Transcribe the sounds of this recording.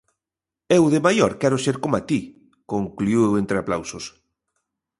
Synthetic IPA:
ewðɪmajoɾkɛɾʊseɾkomat̪i | koŋkluuewent̪ɾeaplawsos

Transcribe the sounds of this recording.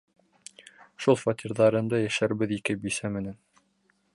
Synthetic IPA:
ʃulˠfat̪ʲirðɑɾɤ̆nd̪ɤjæʃæɾbɘðikɘbisæmɘ̆næn

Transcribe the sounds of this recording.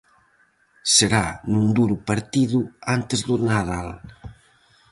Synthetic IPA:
seɾanund̪uɾupaɾt̪iðuant̪ezðunaðal

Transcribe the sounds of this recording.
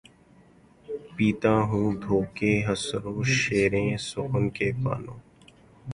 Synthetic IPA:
piːt̪ãːɦũːd̪ʱoːkeːɦəsɾõːʃeːɾẽːsʊkənkeːpa̰ːnõ̰ː

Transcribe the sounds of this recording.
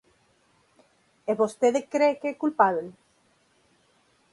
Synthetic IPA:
eβost̪eðekɾekeekulpaβel

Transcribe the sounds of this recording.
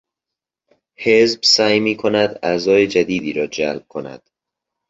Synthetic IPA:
hezbsæjmiːkʰonæd̪æzɒːjed͡ʒæd̪iːd̪iːɾɒːd͡ʒælb̥̚kʰonæ̰d̪̥

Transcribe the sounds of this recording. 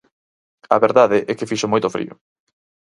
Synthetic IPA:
ɐβeɾðaðɪʔɛkɪfiʃomojt̪ʊfɾḭo̰

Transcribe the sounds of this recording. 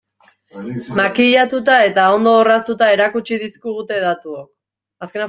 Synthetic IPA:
makiʎat̪ut̪̬ae̞t̪ao̞nd̪oːrast̪ut̪ae̞ɾakut͡ʃiðiskiɣut̪e̞ðat̪uok̚ | aske̞n

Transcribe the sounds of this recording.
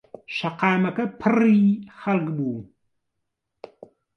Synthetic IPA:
ʃɐqɑːmɐkɐpʰɨriːxɐrɣbuː

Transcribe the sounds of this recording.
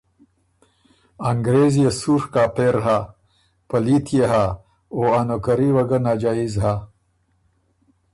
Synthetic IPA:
aŋɡɾezjesuːɾkaːpeɾɦa | pɐlit̪ʰjeɦa | oanokɐɾiwɐɡɐnaːd͡ʒaːizɦa

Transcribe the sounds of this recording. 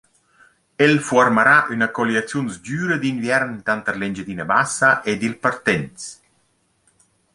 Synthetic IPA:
elfuarmaɾaʔynakɔliat͡sjunsd͡ʒyːɾəd̪invjɛɾnt̪ant̪əlend͡ʒed̪inəbasaʔed̪ilpaɾt̪ɛnt̪s

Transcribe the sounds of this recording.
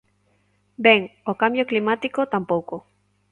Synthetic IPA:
beŋokambjoklimat̪ikot̪ampowko

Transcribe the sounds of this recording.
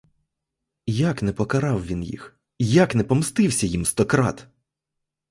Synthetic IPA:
jaknɛpɔkɐɾɑwʋʲinjḭx | jaknɛpɔmst̪ɪwsʲɐjimst̪ɔkɾɑ̰t̪

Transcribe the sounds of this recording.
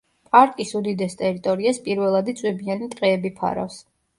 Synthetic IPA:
pʼaɾk̪ʼisud̪id̪ɛst̪ʼɛɾit̪ʼɔɾiaspʼiɾvɛlˠad̪it̪sʼwɛbianit̪ʼqʼɛːbipʰa̰ɾa̰fs

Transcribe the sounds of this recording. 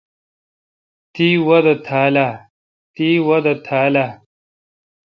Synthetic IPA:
t̪iwɐd̪ɐt̪ʰaːla | t̪iːwɐd̪ɐt̪ʰaːla

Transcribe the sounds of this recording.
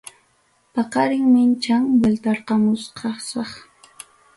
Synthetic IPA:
pɑqɑɾɪŋmɪnt͡ʃaŋwelt̪ɑɾqɑmʊsqʰɑsɑχ

